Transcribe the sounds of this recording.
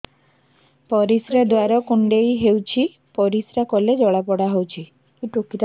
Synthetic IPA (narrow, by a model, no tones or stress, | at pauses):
pɔɾisɾed̪waɾɔkuɳɖejɦewt͡ʃʰi | pɔɾisɾakɔled͡ʒɔɭapɔɽaɦowt͡ʃʰi | kiʈokiɾa